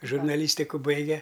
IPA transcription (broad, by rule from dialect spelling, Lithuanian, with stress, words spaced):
ʒʊrnɐˈlʲiːsʲtʲɪkʊ ˈbɐɪɡʲɛ